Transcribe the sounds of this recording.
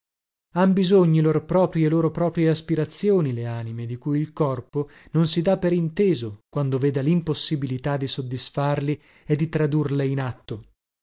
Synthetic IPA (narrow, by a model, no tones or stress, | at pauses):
ambizoɲːiloɾpɾɔːpɾjieloːɾopɾɔːpɾjeaspiɾat̪sːjoːnileaːnimed̪ikujilkɔrpononsid̪apːeɾint̪eːzokwand̪ovɛːd̪alimposːibilit̪ad̪ːisod̪ːisfarli | ed̪ːit̪ɾad̪urleinat̪ːo